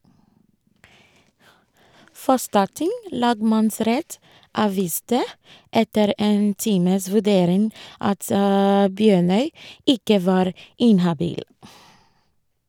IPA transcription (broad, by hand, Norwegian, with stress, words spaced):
ˈfɔstɑˌtɪŋ ˈlɑːɡmɑnˌsɾɛt ˈɑːʋiːstə ˈɛtəɾ ˈeːn ˈtiːməs ʋʉˈɖeːɾɪŋ ˈɑt ə ˈbjøːɳœʏ ˈɪkə ˈʋɑːɾ ˈɪnhɑbiːl